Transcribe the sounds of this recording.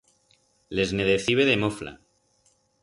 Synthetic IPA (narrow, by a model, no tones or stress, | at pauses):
le̞zne̞ðeθiβeðemofla̰